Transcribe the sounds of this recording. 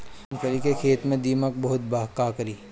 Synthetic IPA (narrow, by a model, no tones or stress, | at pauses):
nkəɾikekʰeːt̪mẽd̪iːmək̚bɐɦʊt̪̚baːɦkaːkəɾiː